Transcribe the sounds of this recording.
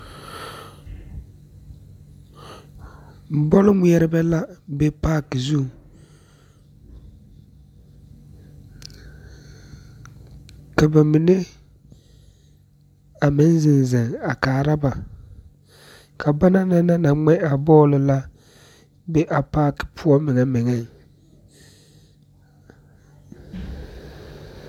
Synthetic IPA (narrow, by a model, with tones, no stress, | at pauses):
bɔ˦lɪ˦mi˦ɛ˦ɾɪ˦bɛ˦la˦bɛ˦pa˦kzu˦˨ŋ | ka˨ba˨mɪ˨ne˦ | a˨mɪ˨˦n˦zɪ˨n˨zɪ˨ŋa˨kaː˨ɾa˦ba˨ | kʰa˨ba˦na˦na˦na˦na˨ŋ͡mɛ˦a˨bɔː˦lɪ˨la˦ | bɛ˦ʔa˨paː˦kɪ̥˨pʰu˦ɔ˦mɪ˨ŋɛ˦mɪ˨ŋɛ˦